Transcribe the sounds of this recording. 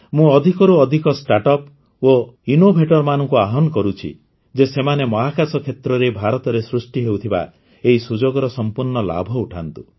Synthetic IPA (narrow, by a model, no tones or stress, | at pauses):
mũɔd̪ʱikɔɾuɔd̪ʱikɔsʈaʈɔp | oinobʱeʈɔɾɔmanɔŋkuaɦɔnɔkɔɾut͡ʃʰḭ | d͡ʒesemanemɔɦakasɔkʰet̪ɾɔɾebʱaɾɔt̪ɔɾesɾusʈiɦewt̪ʰiba̰ | eɦisud͡ʒoɡɔɾɔsɔmpuɾɳɔla̰bʱɔuʈʰant̪u